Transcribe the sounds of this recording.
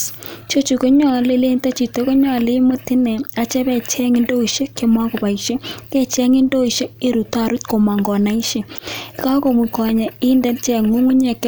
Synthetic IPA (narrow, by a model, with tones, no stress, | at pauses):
t͡ʃo˦t͡ʃu˨ko˦ɲɔ˦˨le˦le˦nta˦t͡ʃi˨to˦ko˦ɲɔ˦˨le˦mo˦ti˦nɛ˨a˨˦t͡ʃɛ˦bɛ˨t͡ʃɛ˦ŋɪ˦ndo˦i˨ʃe˦ke˦ma˦ko˨ba˨i˨ʃe˦kɛ˦t͡ʃɛ˦ŋɪ˦ndo˦i˨ʃe˦e˦ɾu˨ta˦˨ɾu˦t̚ko˨ma˨ŋɡɔ˨na˦i˦ʃe˦˨˦ka˦ko˨mi˨kɔ˨ɲɛ˨ɪ˦ndɛ˦nt͡ʃɛ˨ŋu˦ŋu˦ɲɛ˨k